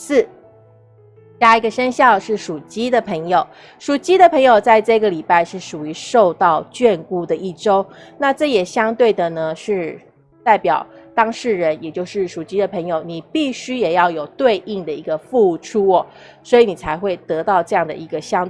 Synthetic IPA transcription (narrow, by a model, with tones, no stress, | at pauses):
s̩˥˩ | t͡ɕja˥˩i˧˥ɡə˨ʂə˥nɕjɑ˥˧ʊʂɻ̩˥˩ʂu˨˩t͡ɕi˥d̪ə˨pʰə˧˥ŋjo˨˩ʊ | ʂu˨˩t͡ɕi˥d̪ə˨pʰɤ˧˥ŋjo˨ʊt͡sa˥˧ɪʈ͡ʂɤ˥˩˥ɡə˩li˨˩pa˥˧ɪʂɻ̩˥˩ʂu˨˩y˧˥ʂo˥˧ʊt̪ɑ˥˧ʊt͡ɕɥɛ˥˧nku˥˩d̪ə˨ʔi˥˩ʈ͡ʂo˥ʊna˥˧ʈ͡ʂɤ˥˩jɛ˨˩ɕjɑ˥ŋt̪we˥˩ɪd̪ə˩nə˩ʂɻ̩˥˧ | t̪a˥˩ɪpjɑ˨˩ʊt̪ɑ˥ŋʂɻ̩˥˩ɻə˧˦njɛ˨˩t͡ɕjo˥˧ʊʂɻ̩˥˩ʂu˨˩t͡ɕi˥d̪ə˨pʰə˧˥ŋjo˨˩ʊni˨˩pi˥˩ɕy˥jɛ˨˩jɑ˥˩ʊjo˨˩ʊt̪we˥˧ɪʔi˥˩ŋd̪ə˩i˧˥ɡə˧fu˥˧˨ʈ͡ʂʰu˥wɔ˨˩ | swɔ˧˥i˧˥˦ni˨˩t͡sʰa˧˥ɪxwe˥˩ɪt̪ɤ˧˥t̪ɑ˥˧ʊʈ͡ʂɤ˥˧jɑ˥˩ŋd̪ə̰˩ʔi˧˥ɡə˧ɕjɑ˥ŋt̪